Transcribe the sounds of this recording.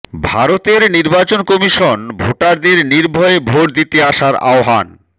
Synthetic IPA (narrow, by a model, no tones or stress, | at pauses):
bʱaɾot̪eɾniɾbat͡ɕonkɔmiʃonbʱoʈaɾd̪eɾniɾbʱoebʱoʈ̚d̪it̪eaʃaɾa̰oɦa̰n